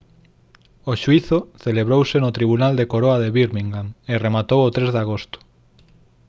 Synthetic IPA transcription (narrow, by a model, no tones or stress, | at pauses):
oʃuiθoθeleβɾowsenot̪ɾiβunald̪ekoɾoaðeβiɾmiŋɡaneremat̪owot̪ɾezðaɣ̞ost̪ʊ̥